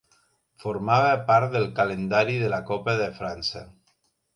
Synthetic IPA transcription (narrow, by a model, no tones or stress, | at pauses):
foɾmaβapaɾt̪̚ðəlˠkalend̪aɾiðəlakɔpaðefɾansa